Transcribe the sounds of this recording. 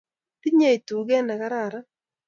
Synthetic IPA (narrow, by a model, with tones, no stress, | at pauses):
ti˦ɲe˦˨i˨tu˨ɡɛ˦na˨ka˦ɾa˨ɾa˦